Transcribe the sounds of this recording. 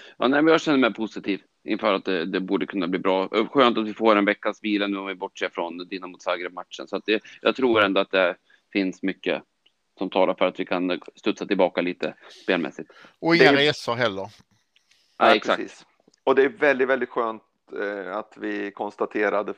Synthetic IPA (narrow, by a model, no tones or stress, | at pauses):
jɑ̰ːnɛːmɛnjɑɡɕɛnːəmɛɪpʰʊsɪt̪ʰiːv | ɪ̰nfœːɾat̪̚d̪ɛd̪ɛbuːɖəkʰɵnːabliːbɾɑːɧøːnt̪at̪vɪfoːɾɛnvɛkːasviːlanʉːɔmvɪbɔʈːʂeːfɾɔnd̪ɪnːamʊt̪sɑːɡɾɛb̚mat̪ʂə̰nsɔat̪̚d̪ɛjɑ̰ːɡ̚t̪ʰɾuːɾɛnd̪ɔat̪̚d̪ɛæɾ | fɪnsmʏkːə̰ | sɔmt̪ʰɑːlaɾfœɾat̪vɪkʰanst̪ɵt̪sat̪ɪlbɑːkaliːt̪ə̰speːlmɛ̰sːɪt̪ːɔɪɛsaɦɛlːəɾ | ʔaɛksa̰kḭːs | ɔd̪ɛæjvɛld̪ɪt̪vɛld̪ɪt̪ɧøːnt̪ | at̪vɪkʰɔnst̪at̪ʰeːɾad̪ə